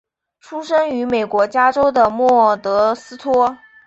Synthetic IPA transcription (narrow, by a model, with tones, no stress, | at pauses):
ʈ͡ʂʰu˥ʂɤ˥ŋy˧˥me˨˩ɪkwɔ˧˥t͡ɕja˥ʈ͡ʂo˥ʊd̪ə˨mwɔ˥˩t̪ɤ˧˥sɹ̩˥t̪ʰwɔ˥